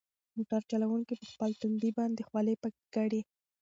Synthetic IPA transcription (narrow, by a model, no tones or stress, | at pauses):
muʈaɾt͡ʃalawuŋkipəxpəlt̪and̪ibɑnd̪exwɑlepakɡaɽi